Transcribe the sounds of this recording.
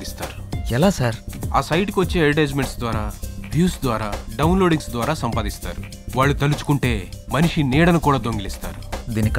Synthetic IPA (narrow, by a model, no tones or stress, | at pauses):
ist̪aːɾuɛlaːsaːɾaːsɐjʈkiʋɐt͡ʃːeːeɾiʈeːd͡ʒmeɳʈsd̪ʋaːɾaːbjuːsd̪ʋaːɾaːɖɐwunloːɖiŋsd̪ʋaːɾaːsɐmpaːd̪ist̪a̰ːɾu | ʋaːɭːut̪ɐlut͡ʃu̥kuɳʈe̞ːmɐniʂiniːɽɐnukuːɽaːd̪oŋɡilist̪a̰ːɾud̪iːnik